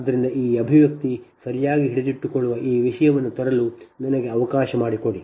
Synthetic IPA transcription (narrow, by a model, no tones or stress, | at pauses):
d̪ːɐɾind̪ɐʔiːɐbʱiʋjɐk̚t̪isɐɾijaːɡiɦiɽed͡ʒ̪iʈːukɔɭːuʋɐʔiːʋiʂɐjɐʋɐnːut̪ɐɾɐlunɐnɐɡeɐʋɐkaːʃɐmaːɽiko̞ɽi